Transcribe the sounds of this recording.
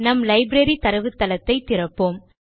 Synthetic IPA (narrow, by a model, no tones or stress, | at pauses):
nɐmlɐɪbɾɐɾit̪ɐɾɐʋɯt̪ːɐlɐt̪ːɐɪt̪ːɪɾɐpːoːm